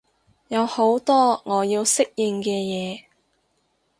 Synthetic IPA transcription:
jɐ˨˧who˨˥wt̪ɔː˥ŋɔː˨˧jiː˧wsɪ˥k̚jɪ˧ŋkɛː˧jɛː˨˧

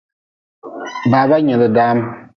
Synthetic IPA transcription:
baː˨ba˦ɲɛ˨lɨ˨daː˦m˦

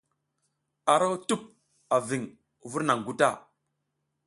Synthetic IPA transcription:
a˨ɾo˦wtu˦p̚ | a˨vi˨ŋ | vu˦ɾna˨ŋɡu˦ta˦˨

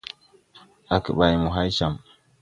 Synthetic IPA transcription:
ʔa˨kə˨ɓa˨jmu˨ɦa˦jʃa˨m

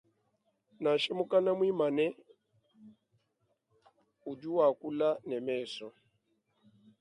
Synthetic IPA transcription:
na˨ʃɛ˦mu˦ka˦na˦mwi˦ma˨nɛ˦ | u˨d͡ʒu˦wa˨ku˦la˦nɛ˨mɛː˦˨sɔ˨

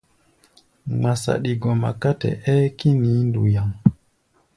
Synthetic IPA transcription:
ŋ͡ma˨sa̰˨ɗi˨ɡɔ˨ma̰˨ka˦tɛ̰˨ʔɛː˦ki˦niː˨˦ndu˨ja˨ŋ

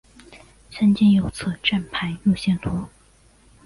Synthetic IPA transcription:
ʂə˥nt͡ɕɛ˥njo˨˩ʊt͡sʰɤ˥˩ʈ͡ʂa˥˩npʰa˧˥ɪju˥˧ɕjɛ˥˩nt̪ʰu˧˥

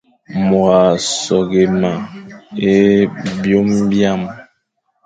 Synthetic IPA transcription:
mwa˨sɔ˨ɡe˨ma˨e˦bjo˦mbja˦˨m

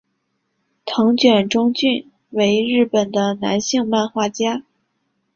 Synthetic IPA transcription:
t̪ʰɤ˧˥ŋt͡ɕɥɛ˨˩nʈ͡ʂʊ˥ŋt͡ɕy˥˩n | we˧˥ɪɻɻ̩˥˩pə˨˩nd̪ə˦na̰˧˥nɕi˥˧ŋma˥˧nxwa˥˩t͡ɕja˥

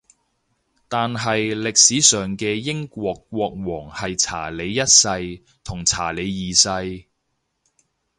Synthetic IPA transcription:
t̪aː˨nɦɐ˨jlɪ˨k̚siː˨˥sœː˨ŋkɛː˧jɪ˥ŋkʷɔː˧kːʷɔː˧k̚wɔː˨˩ŋhɐ˨jt͡sʰa̰ː˨˩le˨˧jjɐ˥t̚sɐ˧j | t̪ʰʊ˨˩ŋt͡sʰa̰ː˨˩le˨˧jjiː˨sɐ˧j

